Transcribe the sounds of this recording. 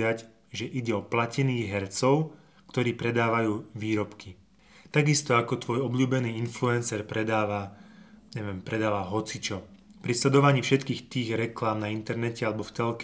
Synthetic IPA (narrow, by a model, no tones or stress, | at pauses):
ac | ʒɛʔiɟɛɔplacɛniːɣɦɛɾt͡sɔʊ | kt̪ɔɾiːpɾɛd̪aːʋajuːʋiːɾɔpki | t̪aɡist̪ɔakɔt̪ʋɔjɔbʎuːbɛniːinfluɛnsɛɾpɾɛd̪aːʋa | ɲɛʋɛmpɾɛd̪aːʋaɦɔt͡sit͡ʃɔ | pɾislɛd̪ɔʋaɲiːfʃɛt̪kiːxt̪iːɣɾɛklaːmnaint̪ɛɾnɛcɛalɛbɔft̪ɛlk